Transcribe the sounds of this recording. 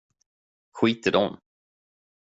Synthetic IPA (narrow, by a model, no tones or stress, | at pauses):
ɧiːt̪əɖɔm